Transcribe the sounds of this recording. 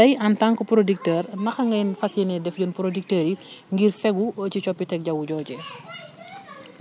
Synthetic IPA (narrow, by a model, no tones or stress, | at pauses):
tɐjɐntaŋkɔpɾodik̚təːɾnɐxɐŋɡɐjnfɐsjɛnɛdɛfɟɔnpɾodik̚təːɾiŋɡirfɛɡuəcit͡ʃɔpːitɛk̚ɟɐwuɟɔːɟɛ